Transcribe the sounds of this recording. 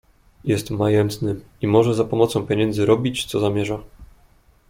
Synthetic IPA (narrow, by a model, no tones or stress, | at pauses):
jɛst̪majɛnt̪nɘ | imɔʐɛzapɔmɔt̪sɔ̃w̃pʲjeɛɲɛnd̪zɘɾɔbʲit͡ɕt̪sɔzamʲjɛʐa